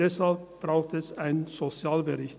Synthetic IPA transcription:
ɛshalp̚b̥ʁaʊxtəɛsaɪnnz̥ot͡sjaːlbəʁɪçt

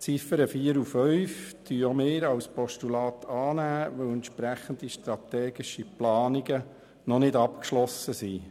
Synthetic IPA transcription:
t͡sifəɾəfiːəɾufœɥftyːomɪːɾɑwspɔʃtulɑːt̪ʰɑːnæːʋɵwɛnt̪ʃpɾæχənd̪iʃtɾɑt̪ɛːɡiʃiplɑːniɡə | nɔnɪdɑpkʃlɔsəsi

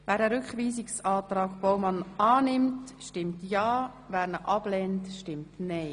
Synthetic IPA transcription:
vɛːɾɛɾʏkχʋiːzɪksɑːtɾɑːɡb̥ɔʊmɑnɑːnɪmtʃtɪmtjɑː | væːɾnəʔɑb̥lɛntʃtɪmtnɛɪ

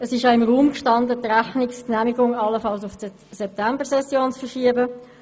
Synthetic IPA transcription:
əsɪʃjaɪmʁuːmkʃtɑndətʁæχnɪksknæmiɡʊŋɑlːəfɑlsʊfs | sɛp̚tʰæmbəʁsɛsjoːnt͡sfəʁʃiəbə

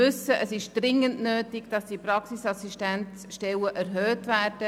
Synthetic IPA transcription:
ʏsəʔəsɪʃd̥rɪŋːəntnøːtɪɡd̥ɑsd̥iprɑksisɑsiʃtænsʃtɛləʔæɾɦøːtʋæːrd̥ə

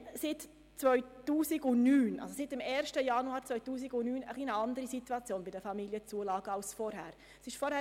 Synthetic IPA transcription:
sɪt | t͡sʋœʏtuːsɪɡʊnyːnʔɑ̰lsosɪtɪmɛːɾʃtəjɑnuaːɾt͡sʋœʏtuːsiɡʊnyːnəχlinəɑnd̪əɾisit̪uɑt͡sjoːnbɪdəfɑmiljət͡suəlɑːɡəɑlsfɔɾhæːɾ | sɪʃfɔɾhæː

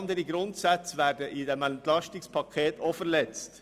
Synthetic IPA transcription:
nd̪əɾiɡɾʊnd̪sɑt̪sʋæːɖəʔiːd̪ɛmɛnt̪lɑst̪ɪŋspʰɑkʰeːt̪ɔːfəɾlɛt̪st̪

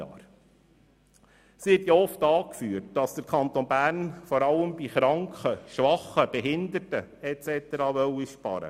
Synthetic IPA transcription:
ɑ̰ːɾ | sɪtjɑɔftɑːkfyːrt̚d̥ɑsd̥əɾkʰɑnt̪oːnbæːɾnfɔɾɑləmbiχɾɑŋkχəʃʋɑχəb̥ɛɦɪnd̪əɾtəɛt͡sɛt̪ɛɾɑːʋœwiʃpɑ̰ɾə̰

